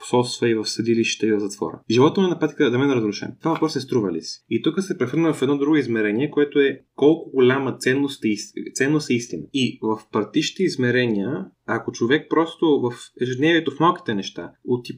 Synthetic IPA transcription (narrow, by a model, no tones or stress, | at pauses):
po̥sɔt̪st̪vɐivɐfsɐd̪iliʃi̥t̪əivɐvzɐt̪vɔ̰ɾə̰ʒilˠɔt̪əmɛnɐpat̪i̥kəd̪ɐmɛnɛɾɐzɾʊʃɛ̰nt̪vavɐpɾɔsɛst̪ɾuvɐlḭsi̥it̪ukəsɛpɾɛxɤɾnəvɐfɛd̪nɔd̪ɾuɡoizmɛɾɛniɛkoɛt̪oɛkɔlˠkʊɡolʲamət̪sɛnːost̪ist̪sɛnːost̪ɛist̪inɐ̰ivɐfpɐɾt̪iʃi̥t̪ɛizmɛɾɛnijəɐkot͡ʃovɛk̚pɾɔst̪ovɐfɛʒɛd̪nɛvʲiɛt̪ofmalˠki̥t̪ɛnɛʃt̪a̰ot̪i